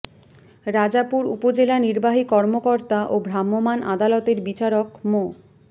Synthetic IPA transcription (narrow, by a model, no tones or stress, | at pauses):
ɾad͡ʑapuɾṵpod͡ʑelaniɾbaɦikɔɾmokɔɾt̪aʔobʱɾamːomanʔa̰d̪alɔt̪eɾbit͡ɕaɾokmo